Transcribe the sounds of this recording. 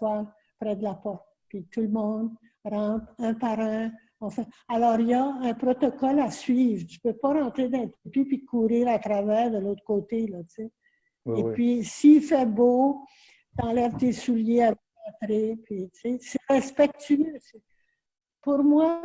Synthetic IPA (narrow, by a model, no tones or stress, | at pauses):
swal | pʁɛd̪əlapɔʁt̪̚pɥit̪ulmɔ̃d̪ | ʁɑ̃ːt̪ɛ̃paʁɑ̃ | ɑ̃fɛ̃alɔʁijaɛ̃pʁɔt̪ɔkɔlasɥiːvt̪y̥pøpɔʁɑ̃t̪ʁed̪ɑ̃t̪epipikʰuːʁiːʁat̪ʁavɛːʁd̪əlot̪χkoːt̪elʌt͡se | epɥisifɛbo | t̪ɑ̃lɛvt̪esuljeavɛãt̪ʁepɥit͡sesɛʁɛspɛk̚t̪yøsɛ | puʁmwa